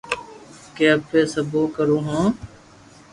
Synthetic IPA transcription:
keəpːeːsəboːkəɾuːɦõː

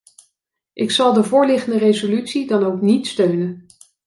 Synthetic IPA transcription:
ʔɪksɑlˠdəvʊːɹlɪχəndərejzolytsidɑnowknitstøɥnən

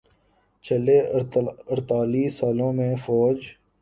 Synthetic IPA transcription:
t͡ʃəleːəɾt̪aːliːsaːlõːmẽfɔːd͡ʒ

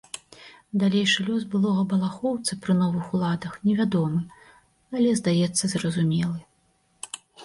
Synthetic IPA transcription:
d̪alʲejʂɨlʲɔsbɨlˠɔɣɐbɐlˠaxɔwt̪sɐpɾɨnɔvɨxulˠad̪ɐxnʲɛvʲad̪ɔmɨ | alʲɛzd̪ajɛt̪sːɐzrɐzumʲɛlˠɨ

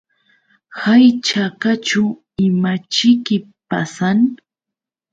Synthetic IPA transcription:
hajt͡ʃakat͡ʃʊ | ɪmat͡ʃɪkɪ | pa̰san

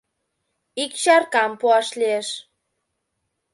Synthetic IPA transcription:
ikt͡ɕɑrkɑmpuɑʃlieʃ

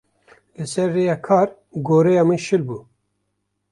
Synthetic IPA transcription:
lɨsɛɾːeːjɑːkʰɑːɾ | ɡoːɾejɑːmɨnʃɨlbuː

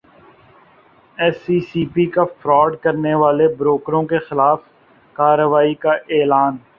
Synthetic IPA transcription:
ɛːsiːsiːpikafɾɔːɖkɐɾneʋaːlebɾoːkɾõkexɪlaːf | kaːɾəʋaːikaʔeːlaːn

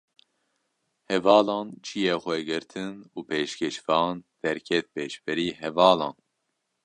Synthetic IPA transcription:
hɛvɑːlɑːnt͡ʃʰijexʷɛɡɨɾt̪ʰɨnuːpʰeːʃkʰɛʃfɑːnd̪̥ɛɾkʰɛt̪̚peːʃbɨɾiːɦɛvɑːlɑːn

